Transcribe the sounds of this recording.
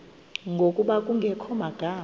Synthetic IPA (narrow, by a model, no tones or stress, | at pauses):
ŋɡʱokʼuɓakʼuŋɡʱɛkʰɔmaɡ̥ʱaː